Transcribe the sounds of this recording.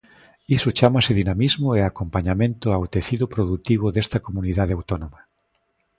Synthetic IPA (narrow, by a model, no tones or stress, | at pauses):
isʊt͡ʃamasɪðinamizmʊeakompaɲamẽnt̪ʊawt̪eθiðʊpɾoðut̪iβ̞oðest̪ɐkomuniðaðeawt̪onoma